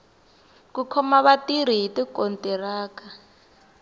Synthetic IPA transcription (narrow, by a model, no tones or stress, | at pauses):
kukʰɔmaβatiɾ̤iɦitikɔntʼɛraːka